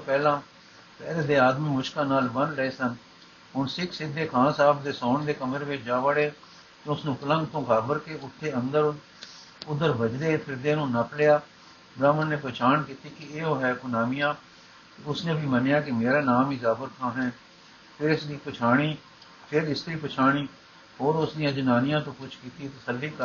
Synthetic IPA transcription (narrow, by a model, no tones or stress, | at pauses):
pɛːlãː | pɛːleːd̪eːaːd̪mĩːmʊʃkãːnaːlbənləeːsən | ɦʊɳsɪkʰsɪd̪ʱːeːkʰãːsaːbd̪eːsɔːɳd̪eːkəməɾeʋɪt͡ʃd͡ʒaːʋaːɽeː | t̪ẽʊsnũːpələ̃ŋɡt̪õːkaːbəɾkeːʊt̪ʰːeːə̃nd̪əɾ | ʊd̪əɾbəd͡ʒd̪eːpʰɪɾd̪eːnũːnəplejaː | bɾaːmənːeːpɾət͡ʃaːnkiːt̪iːkɪeːoːɦɛːɡʊnaːmijãː | ʊsnẽːbiːmənejaːkɪmeːɾaːnaːmɪzaːbəɾk̪ʰãːɦɛ̃ː | pʰɪɾɪsd̪iːpət͡ʃʰaːɽ̃iː | pʰɪɾɪst̪ɾiːpət͡ʃʰaːɽ̃iː | ɦoːɾʊsdijãːd͡ʒʊnaːnɪjãːt̪õːkʊt͡ʃʰkiːt̪iːt̪əsəlːiːkə